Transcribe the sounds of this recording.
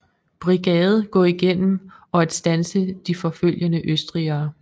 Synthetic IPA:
b̥ʁiɡ̥ɛːð̞̩ˠɡ̥ɒ̰̽ːiɡ̥en̰m̩ɒ̽æd̥sd̥ænsəd̥ifɒ̽føl̰jənəʔøsd̥ʁiɐː

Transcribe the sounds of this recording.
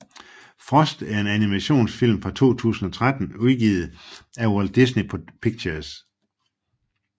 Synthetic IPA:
fʁɒsd̥æɐe̝nænimæɕo̝̰ːnsfil̰mfʁɑ̈t͡sʰo̝̰ːt͡sʰṵːsn̩ɒ̽t͡sʰʁad̥n̩uðˠɡ̥ḭːð̩ˠæwɔld̥isnipʰpʰiɡ̥t͡ɕʰɐs

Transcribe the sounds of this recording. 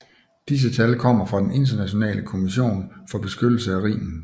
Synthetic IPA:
d̥is̬ət͡sʰælkʰɒ̽m̰ɐfʁɑ̈d̥ene̝nd̥ɐnæɕo̝nɛ̰ːləkʰo̝miɕo̝̰ːnfɒ̽b̥e̝sɡ̥ød̥l̩səæʁḭːmn̩

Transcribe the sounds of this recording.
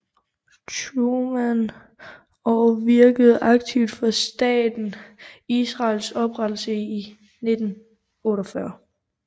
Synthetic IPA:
t͡sʰumæn | ɒʋiɐɡ̥əð̞̩ˠɑ̈ɡ̥̚t͡sʰiʊd̥fɒsd̥ɛ̰ːd̥n̩isʁɑ̈ːlsɒ̽b̥ʁad̥l̩səi | ne̝d̥n̩ | ɔːɾɒfɶɐ

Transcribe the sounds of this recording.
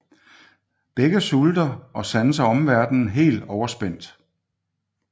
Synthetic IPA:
b̥eɡ̥əsuld̥ɐʔɒ̽sænəs̬ɐɒ̽mʋæɐd̥n̩ɦe̝̰ːld̥ɒʊɐsb̥en̰d̥

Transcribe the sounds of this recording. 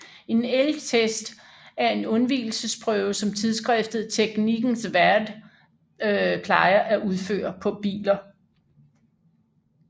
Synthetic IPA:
e̝nelɡ̥t͡sʰesd̥ | æɐe̝nɔ̽nʋḭːl̩səspʰʁœːʊsɒ̽mt͡sʰiðˠsɡ̥ʁɛfd̥ð̞̩ˠt͡sʰeɡ̥niɡ̥n̩sʋæɐd̥ | pʰlɑ̈ɪɐʔæʔuð̞ˠfø̰ːɐpʰɒ̽b̥ḭːlɐ

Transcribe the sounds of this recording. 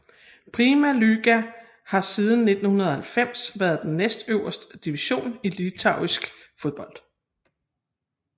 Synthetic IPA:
pʰʁimælyɡ̥æ | hɑ̈siːð̞ˠn̩ːe̝d̥n̩hunɐðˠhælfem̰sʋæɐð̞ˠd̥enːesd̥øʊɐsd̥əd̥iʋiɕo̝̰ːnilit͡sʰɑ̈ʊ̰isɡ̥fo̝ðˠb̥ɒ̽l̰d̥

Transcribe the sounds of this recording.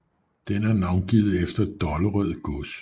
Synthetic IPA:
d̥enæɐnɑ̈ʊnɡ̥ḭːð̞̩ˠefd̥ɐd̥ɒləʁœð̰ˠɡ̥ɔs

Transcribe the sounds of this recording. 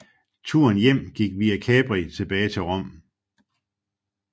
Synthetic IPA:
t͡sʰuɐnjem̰ɡ̥iɡ̥ʋiːækʰɛːb̥ʁit͡sʰe̝b̥ɛːɪt͡sʰe̝ʁɒ̽m̰

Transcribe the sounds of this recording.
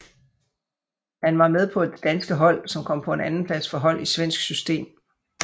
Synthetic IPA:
hænʋɑ̈með̞ˠpʰɒ̽e̝d̥ːænsɡ̥əɦɒ̽l̰sɒ̽mkʰɒ̽m̰pʰɒ̽e̝nænn̩pʰlæsfɒ̽ɦɒ̽l̰isʋen̰sɡ̥sysd̥e̝̰ːm

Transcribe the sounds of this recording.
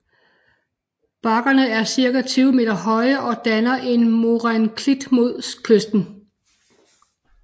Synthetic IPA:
b̥ɑ̈ɡ̥ɐnəæɐsiɐɡ̥æt͡sʰyːʊme̝ːd̥ɐɦɒ̽ɪɐʔɒ̽d̥ænɐʔe̝nmo̝ʁænkʰlid̥mo̝ð̰ˠskʰøsd̥n̩

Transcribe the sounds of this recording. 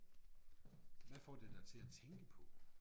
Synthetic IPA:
ʋæfɒːd̥ed̥æt͡sʰe̝læt͡sʰeŋɡ̥əpʰɒ̽

